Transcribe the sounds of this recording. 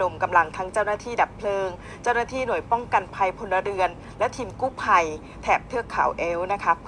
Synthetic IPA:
no˧˩mka˧mla˧ŋt̪ʰa˦˥ŋt͡ɕa˥˩wnaː˥˩t̪ʰiː˥˩da˨˩pʰlɤː˧ŋ | t͡ɕa˥˩wnaː˥˩t̪ʰiː˥˩nu˨˩əjpɔ˥˩ŋka˧npʰa˧jpʰo˧nːa˧ɾɯ˧ən | lɛ˦˥t̪ʰiː˧mkuː˥˩pʰa˧j | t̪ʰɛː˨˩p̚t̪ʰɯ˥˩əkʰːa̰˩˦wʔeː˦˥wna˦˥kʰa˦˥

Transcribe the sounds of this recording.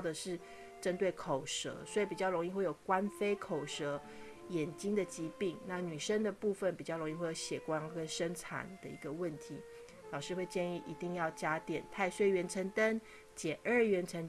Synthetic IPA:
d̪ə˩ʂɻ̩˥˩ | ʈ͡ʂə˦nt̪we˥˩ɪkʰo˨˩ʊʂɤ̰˧˥swɔ˧˥i˨˩pi˨˩t͡ɕɑ˥˩lo˧˥ŋi˥˧xwe˥˩ɪjo˨˩ʊkwa˦˥nfe˥ɪkʰo˨˩ʊʂɤ˧˥ | jɛ˨˩nt͡ɕi˥ŋd̪ə˨t͡ɕi˧˥pi˥˩ŋna˥˩ny˨˩ʂə˦ŋd̪ə˨pu˥˧fə˨˩npi˨˩t͡ɕjɑ˥˩lo˧ŋi˥˧xwe˥˧˩jo˧˩˧ɕjɛ˨˩kwa˦ŋkə˦nʂə˥ŋt͡sʰa̰˨˩˦nd̪ə˧ḭ˧˥ɡə˧wə˥˩nt̪ʰi˧˥ | sɑ˨ʊʂɻ̩˥˧xwe˥˧ɪt͡ɕjɛ˥˧ni˥˩ʔi˧˦˥t̪i˥˧ŋjɑ˥˩ʊt͡ɕja˥t̪jɛ˨˩nt̪ʰa˥˧ɪʂwe˥˩ɪɥɛ˧˥nʈ͡ʂʰə˧˥ŋt̪a˦n | t͡ɕjɛ˨˩ʔə˥˩ɥɛ˧˥nʈ͡ʂʰə˧˦n

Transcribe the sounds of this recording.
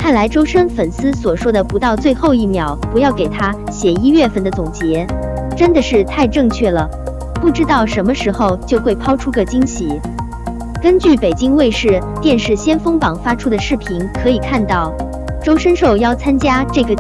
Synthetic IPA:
kʰa˥˩nla˧˥ɪʈ͡ʂo˥ʊʂə˥nfə˨˩nsɹ̩˥swɔ˨˩ʂwɔ˥d̪ə˨pu˧˥t̪ɑ˥˧ʊt͡swe˥˧ɪxo˥˧ʊi˥˩mjɑ˧˥ʊpu˧˥jɑ˥˩ʊke˨˩ɪt̪ʰa˥ɕjɛ˨˩i˥ɥɛ˥˧fə˥˩nd̪ə˩t͡sʊ˨˩ŋt͡ɕjɛ˧˥ʈ͡ʂə˥nd̪ə˨ʂɻ̩˥˧t̪ʰa˥˧ɪʈ͡ʂɤ˥˧ŋt͡ɕʰɥɛ˥˩lə˩ | pu˥˩ʈ͡ʂɻ̩˥t̪ɑ˥˩ʊʂə˧˥nmə˧ʂɻ̩˧˥xo˥˧ʊt͡ɕjo˥˧ʊxwe˥˩ɪpʰɑ˥ʊʈ͡ʂʰu˥ɡə˨t͡ɕi˥ŋɕi˧˥ | kə˥nt͡ɕy˥˩pe˨˩ɪt͡ɕi˥ŋwe˥˧ɪʂɻ̩˥˩ | t̪jɛ˥˧nʂɻ̩˥˩ɕjɛ˥nfɤ˥ŋpɑ˨˩ŋfa˥ʈ͡ʂʰu˥d̪ə˨ʂɻ̩˥˩pʰi˧˥nkʰɤ˧˥i˨˩kʰa˥˧nt̪ɑ˥˩ʊ | ʈ͡ʂo˥ʊʂə˥nʂo˥˧ʊjɑ˥˩ʊt͡sʰa˥nt͡ɕja˥ʈ͡ʂɤ˥˩ɡə˩

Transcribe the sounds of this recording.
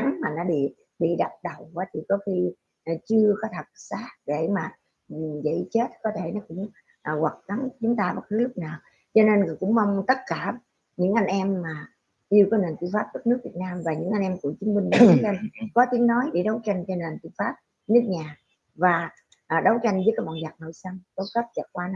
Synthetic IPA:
a˨˦ŋmaː˨˩nɔ˨˦ɓḭ˧˨ | ɓḭ˧˨ɗa˨˩p̚ɗə˨˩wvaː˨˦t̪ʰi˨˩kɔ˨˦xi˧˨˩ | t͡ɕɨ˧əkɔ˨˦t̪ʰə˨˩t̚saː˦˥t̚ɗe˧˩maː˨˩˨ | zə̰˧˩˨t͡ɕe˦˥t̚kɔ˨˦t̪ʰe˧˩nɔ˨˦kʊ̰˧˥ŋ͡m | ʔɣwa˨˩k̚ka˨˦nt͡ɕʊ˨˦ŋ͡mt̪aː˧ɓa˦˥t̚kɨ˨˦lʊ˦˥k͡p̚naː˨˩w | t͡ɕɔ˧ne˧n˨˩kʊ̰˧˥ŋ͡mma˧wŋ͡mt̪ə˦˥t̚kaː˧˩ | ɲɨ̰˧˥ŋʔa˧ŋ̟ʔɛ˧mːaː˨˩ | ɗi˧wkɔ˨˦ne˨˩nt̪i˧˨faː˦˥p̚ɗə˦˥k̚nɨ˦˥ək̚vi˨˩t̚naː˧mvaː˨˩ɲɨ̰˧˥ŋʔa˧ŋ̟ʔɛ˧mku˧˩ət͡ɕɨ˨˦əŋmï˧ŋ̟ɗt̪i˨˦t͡ɕa˧ŋkɔ˨˦t̪i˨˦əŋnɔ˨˦jɗe˧˩ɗə˨˦wt͡ɕa˧jŋ̟t͡ɕɔ˧ne˨˩nt̪i˧əfaː˦˥p̚ | nɨ˦˥ək̚ɲaː˨˩ | vaː˨˩ | ʔɗə˨˦wt͡ɕa˧jŋ̟vəː˨˦jkaː˨˦jɓɔ̰˧˨nza˨˩t̚no̰˧˨jsə˧ŋk̪o˨˦kə˦˥p̚t͡ɕə˨˩kwaː˧n˧

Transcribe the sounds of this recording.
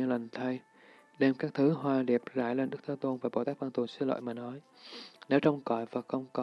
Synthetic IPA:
lə˨˩ŋ̟t̪ʰə˧j | ɗe˧mkaː˦˥k̚t̪ʰɨ˨˦ɦwaː˧ɗi˨˩p̚za̰ː˧˩jle˧nɗɨ˦˥k̚t̪ʰəː˨˦t̪o˧nvaː˨˩ɓo˧˩t̪aː˦˥k̚vaː˧nt̪u˨˩sɨ˨˧˦lo̰˧˨jmaː˨˩nɔ˨˦j | ne˨˦wt͡ɕə˧wŋ͡mkɔ˧˩jvaː˨˩xə˧wŋ͡mkɔ˨

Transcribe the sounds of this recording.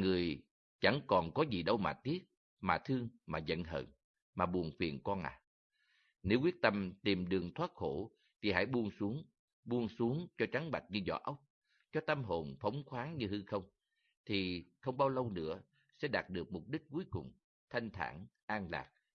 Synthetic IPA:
ŋɨ˨˩əj | t͡ɕa˧˩ŋkɔ˨˩nkɔ˨˦zi˨˩ɗə˧wma̰ː˨˩t̪i˦˥ət̚ | maː˨˩t̪ʰɨ˧əŋmaː˨˩zə̰˧˨nɦə̰˧˨˩n | maː˨˩ɓu˨˩ənfḭ˨˩ənkɔ˧nʔa̰ː˨˩ | ne˨˦wkwi˦˥ət̚t̪ə˧mt̪i˨˩mɗɨ˨˩əŋt̪ʰwaː˦˥t̚xo̰˧˥ | t̪ʰi˨˩ɦa̰ː˧˥˩jɓu˧ənsu˨˦əŋ | ɓu˧ənsu˨˦əŋt͡ɕɔ˧t͡ɕa˨˦ŋɓa˨˩k̚ɲɨ˧zɔ̰˧˩ʔə˦˥wk͡p̚ | t͡ɕɔ˧t̪ə˧mɦo˨˩nfə˨˦wŋ͡mxwaː˨˦ŋɲɨ˧hɨ˧xə˧wŋ͡m | t̪ʰi˨˩xə˧wŋ͡mɓaː˧wlə˧wnɨ̰˧˥ə | sɛ̰˧˥ɗaː˨˩t̚ɗɨ˨˩ək̚mʊ˨˩p̚ɗi˦˥k̟̚ku˨˦jkʊ˨˩ŋ͡m | t̪ʰa˧jŋ̟t̪ʰa̰ː˧˩nʔaː˧nla̰ː˨˩k̚

